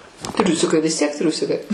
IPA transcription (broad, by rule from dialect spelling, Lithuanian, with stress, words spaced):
ˈtʲrʲʊsʲɪkɐɪ ʋʲɪs tʲiɛk ˈtʲrʲʊsʲɪkɐɪ